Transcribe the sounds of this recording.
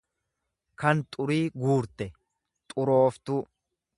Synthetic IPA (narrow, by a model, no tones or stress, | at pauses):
kɐnt̪ʼʊɾiːɡuːɾt̪ɛ | t̪ʼʊɾo̞ːft̪ʊ